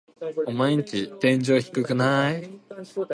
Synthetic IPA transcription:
omaeɲ̟it͡ɕit̪ẽ̞ɲ̟d͡ʑo̞ːçi̥kɯ̟kɯ̟nai

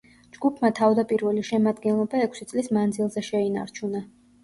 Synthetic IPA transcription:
d͡ʒɡupʰmat̪ʰavd̪apʼiɾvɛliʃɛmad̪ɡɛnlˠɔbaɛkʰʷsit̪sʼlismand̪zilˠzɛʃɛina̰ɾt͡ʃʰuna

